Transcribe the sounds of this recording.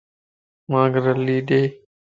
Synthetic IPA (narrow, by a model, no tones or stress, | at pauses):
mãːɡɾəliːɗeː